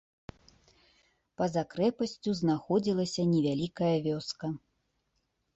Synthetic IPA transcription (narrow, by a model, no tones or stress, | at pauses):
pɐzakɾɛpɐsʲt͡sʲuznaxɔd͡zʲilˠɐsʲɐnʲɛvʲalʲikɐjɐvʲɔskɐ